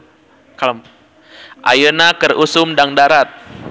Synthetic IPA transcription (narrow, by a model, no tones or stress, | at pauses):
kal | ʔa̰jənakərusʊmdaŋdaɾat̪̚